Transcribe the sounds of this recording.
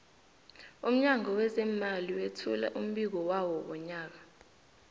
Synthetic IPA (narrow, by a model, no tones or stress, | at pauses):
um̩ɲaŋɔwɛzɛmaliwetʰula̰ʔum̩ɓik̬ɔwawɔɓɔɲaːk̬a